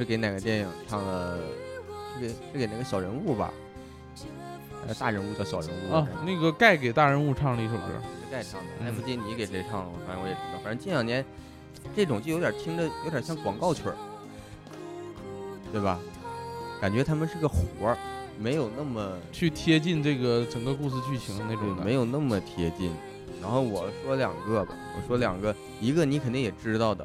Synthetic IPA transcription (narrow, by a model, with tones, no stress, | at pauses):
ʂɻ̩˥˩ke˧˥ɪna˨˩ɡə˦t̪jɛ˥˩ɑ˨˩ŋʈ͡ʂʰɑ˥˩ŋd̪ə˩ | ʂɻ̩˥˩ke˧˩ʂɻ̩˥˩ke˧˩ɪna˥˩ɡə˦ɕjɑ˨˩ʊɻə˧˥nu˥˩bɐ̰˩ | xa˥jo˨˩t̪a˥˩ɻə˧˥nu˥˩d̪ə˩ɕjɑ˨˩ʊɻə˧˥nu˥˩˧na˥˩ɡə˩ka˥˩ɪke˨˩ɪt̪a˥˩ɻə˧˥nu˥˧ʈ͡ʂʰɑ˥˧ŋli˥˩ʂo˨˩ʊʈ͡ʂɻ̩̰˥˧ʂ̩˥˧ka˥˧ɪʈ͡ʂʰɑ˥˩ŋd̪ə˨˩xa˥ɪpu˥˩t͡ɕi˧˥ni˧˥ke˨˩ɪʈ͡ʂe˥˩ə˧ʈ͡ʂʰɑ˥˩ŋ˩fa˧˩ɻə˥wɔ˧˥jɛ˨˩ʂə˧˥˧fa˨˩ə˧˥t͡ɕi˥njɑ˨˩ŋnjɛ˧˥n | ʈ͡ʂe˥˩ʈ͡ʂʊ˨˩ŋt͡ɕjjo˧˥t̪ja˨˩t̪ʰi˥ŋd̪ə˨jo˧˥t̪jɕjɑ˥˩ŋkwɑ˨˩ŋkɑ˥˩ʊt͡ɕʰɥə̰˞˨˩˦ | t̪we˥˩ɪbɐ˩ | ka˨˩nt͡ɕɥɛ˧˥t̪ʰa˥mə˨nʂɻ̩˥˧˩ɡə˧xu˞˧˥me˧˥ɪjo˨˩ʊna˥˩mə˩t͡ɕʰy˥˩t̪ʰjɛ˥t͡ɕi˥˧nʈ͡ʂɤ˥˩ɡə˩ʈ͡ʂə˨˩ŋɡə˧ku˥˧s̬ɹ̩˧t͡ɕʰy˥˩t͡ɕʰi˧˥ŋd̪ne˥˧e˥˩˧me˧˥ɪjo˨˩ʊna˥˩mə˩t̪ʰjɛ˥t͡ɕḭ˥˩n | ɻa˧˥nxo˥˩ʊwɔ˨˩ʂwɔ˥ljɑ̰˨˩ŋɡə˥˧bɐ̰˨˩wɔ̰˨˩ʂwɔ˥ljɑ̰˨˩ŋɡə˦˧ | i˧˥ɡə˧ni˧˥kʰə˨˩nt̪i˥ŋjɛ˨˩ʈ͡ʂɻ̩˥t̪ɑ˥˩ʊd̪ə̰˩